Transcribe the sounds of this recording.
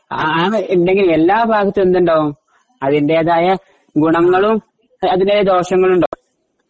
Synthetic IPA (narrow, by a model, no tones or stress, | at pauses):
aːendeŋɡilmelːaːbʱaːɡɐt̪ːilend̪uɳɖoːm | ɐðinde̞ɐðaːjɐ | ɡuɳɐŋːɐɭum | ɐðindejɐd̪o̞ːɕɐŋːɐɭuɳɖoː